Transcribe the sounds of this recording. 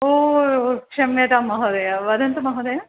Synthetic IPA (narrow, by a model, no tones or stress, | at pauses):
oːokʂɐmɐt̪amːɐɦoːd̪ɐjaʋɐd̪ɐnt̪ɐmɐɦoːd̪ɐjɐ